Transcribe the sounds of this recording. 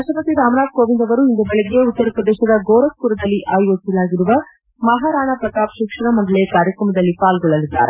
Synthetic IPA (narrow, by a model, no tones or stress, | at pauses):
ɐʃɐpɐt̪iɾaːmnaːt̪̚koːʋind̪ɐʋɐɾuind̪ɐbeɭeɡejeut̪ːɐɾɐpɾɐd̪ɛːʃɐd̪ɐɡoːɾɐk̚puɾɐd̪ɐlːiʔʔaːjʋɐsɐlaːɡiɾuʋɐ | mɐɦaɾaːɳɐpɾɐt̪aːpʃikʂɐɳɐmɐd̪ɐlekaːɾjɐkɾɐmɐd̪ɐlːipaːlɡɔɭːɐlid̪ːa̰ːɾe